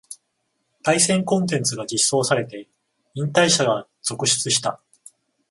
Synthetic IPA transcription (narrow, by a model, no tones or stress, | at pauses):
t̪aisẽ̞ŋkõ̞nt̪ẽ̞nt͡sɨɡad͡ʑisːo̞ːsaɾe̞t̪e̞ | ĩnt̪aiɕaɡa | z̥o̞kɯ̟ɕi̥t͡sɨɕi̥t̪a